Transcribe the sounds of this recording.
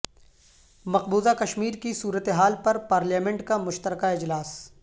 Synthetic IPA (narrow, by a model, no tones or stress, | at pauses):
mɐqbuːzakɐʃmiːɾkisuːɾət̪eɦaːlpɐɾpaːɾljaːmɛ̃ɳʈkamʊʃt̪əɾkaɪd͡ʒlaːs